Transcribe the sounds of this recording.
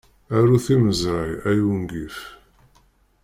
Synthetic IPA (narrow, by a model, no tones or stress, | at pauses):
æɾuθiməzɾajæjuŋɡiθ